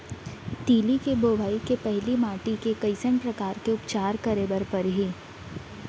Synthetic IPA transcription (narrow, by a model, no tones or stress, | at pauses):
t̪iːlikeboːbʱaːikepɛɦlimaːʈikekɐɪsənpɾɐkaːɾkeʊpt͡ʃaːɾkɐɾeːbəɾpɐɾɦiː